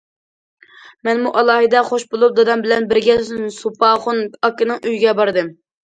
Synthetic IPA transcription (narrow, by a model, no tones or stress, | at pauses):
mɛnmuʔɑlˠɑːɦɨd̪ɛχoʃbolˠup̚d̪ɑd̪ɑmbɪlɛnbɪɾɡʲɛsupɑχʊnɑkːɨnɨŋʔyjɡʲɛbɑɾɨd̪ɨm